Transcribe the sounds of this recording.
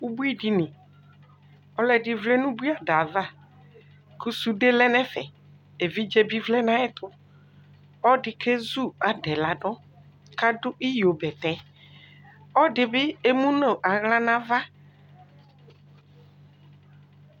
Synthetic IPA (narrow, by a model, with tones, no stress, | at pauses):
u˦bu˦i˦ɖi˨nɪ̃˨ | ɔ˦lɛ˨dɪ˨vlɛ˦nũ˦bu˦i˦a˨da˨va˦˨ | ku˦su˦ɖe˦lɛ˦nɛ̃˦fɛ˨ | e˨vi˦d͡ʒe˦bi˦vlɛ˦nã˨˦ɛ˦t̪ʰʊ˦ | ɔ˦ɖɪ˨kʰe˦zu˦˨a˨ɖɛ˨la˨ɖɔ˦ | ka˦ɖʊ˦ʔi˦jo˨bɛ˨t̪ɛ̃˨˦ | ɔ˦ɖɪ˨bɪ˦e˦mũ˦nõ˨ʔa˨ɣlã˦nã˦va˦